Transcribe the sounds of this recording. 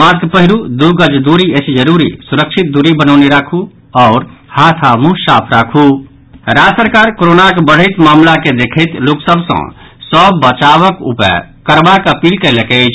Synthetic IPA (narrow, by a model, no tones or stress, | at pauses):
maɾɡpəɦiɾud̪uɡəd͡ʒd̪uɾiesd͡ʒəɾuɾḭsuɾəkʃʰit̪̚d̪uɾibənəʊneɾakʰu | ɔːɾhat̪ʰamũsaːpʰɾakʰu | ɾasəɾkaːɾkoɾoːnakebəɽ̤əɪt̪maːmlaked̪ekʰət̪loːksəbʱsə̰̃ | səbːət͡ʃaʋəkṵpə̰kəɾbakəpiːlkəɪləkɛd͡ʒ